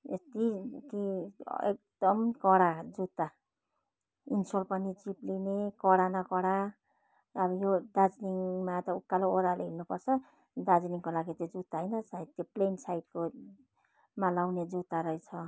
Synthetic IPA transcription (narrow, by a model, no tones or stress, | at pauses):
est̪ikiḛk̚d̪̥ʌmkʌɽad͡zut̪ːa | insolpʌnit͡siplinekʌɽanʌkʌɽa | ʌbʌjod̪ad͡zniŋmat̪ʌukːalooɾaleɦinupʌrt͡sʰʌ | d̪ad͡zniŋkolaɡit̪jod͡zut̪ːaɦʌjnʌsait̪joplensajt̚ko | malawned͡zut̪ːaɾʌjt͡sʰʌ